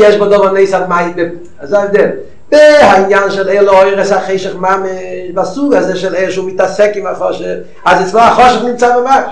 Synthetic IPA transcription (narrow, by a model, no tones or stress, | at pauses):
jɛʃbɔdɔvaneɪsalmaɪdɪ | azaɪdɛɾ | vɪhaɪnjanʃɛlɛlˠəoɪʁəshaχeɪʃəχmaməʃbasuɡazeɪʃɛlˠelʃuːmɪtasɛkɪmaχɔʃəf | azɛt͡slɔaχɔʃəfnɪmt͡savamaʃ